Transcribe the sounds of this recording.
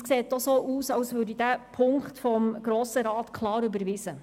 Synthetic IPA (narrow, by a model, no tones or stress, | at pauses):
skseːt̚dɔsoːʔuːsɑwsʋøːɾdidæpʰʊŋktfɔmɡ̥ɾoːsəɾɑːt̪kʰlɑːɾybəɾʋisə